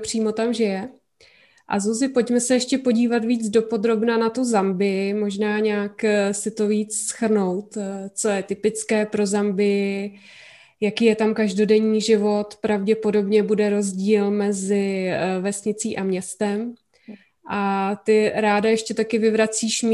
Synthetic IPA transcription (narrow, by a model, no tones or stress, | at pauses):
pr̝̥iːmo̞t̪amʒɛjɛ | ʔa̰zuzɪpo̞cmɛsɛjɛʃcɛpo̞ɟiːvat̪viːd͡zdo̞po̞d̪ɾo̞bnanat̪uzambɪɪmo̞ʒnaːɲaːksɪt̪o̞viːt͡ssxr̩no̞wt̪t͡so̞jɛt̪ɪpɪt͡skɛːpɾo̞zambɪ | jakiːjɛt̪amkaʒdo̞dɛɲiːʒɪvo̞t̪pɾavɟɛpo̞do̞bɲɛbudɛɾo̞zɟiːlmɛzɪvɛsɲɪt͡siːʔamɲɛst̪ɛm | ʔat̪ɪɾaːdajɛʃcɛt̪akɪvɪvɾat͡siːʃm